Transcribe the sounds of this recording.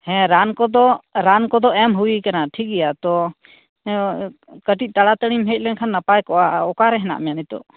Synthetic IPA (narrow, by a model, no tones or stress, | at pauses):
hɛ̃ɾankɔd̪ɔɾankɔd̪ɔɛmɦuwikanaʈʰik̚ɛjat̪ɔ | kəʈic̚ˀt̪aɽat̪əɽimɦɛc̪̚ˀlɛnkʰanːapajkɔʔaɔkaɾɛɦɛna̰ʔmɛjanit̪ɔ̰